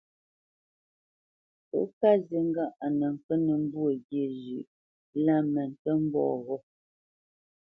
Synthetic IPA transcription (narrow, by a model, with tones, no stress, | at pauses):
pə̰˦ka˦ze˨˦ŋ˦ɡa˦ʔa˨nə˨ŋ̩˨kə˦nə˨m̩˦bu˦ə˨ɡje˨ʒʉ˨ʔ | la˦mə˨n˨tə˦m̩˦bɔ̰ː˦˨ɣɔ˦